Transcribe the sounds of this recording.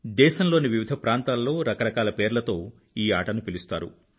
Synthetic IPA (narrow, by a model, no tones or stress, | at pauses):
d̪ɛːʃɐmlo̞ːniʋiʋid̪ʱɐpɾaːnt̪aːlːo̞ːɾɐkɐɾɐkaːlɐpe̞ːɾlɐt̪o̞ː | iːaːʈɐnupilist̪a̰ːɾṵ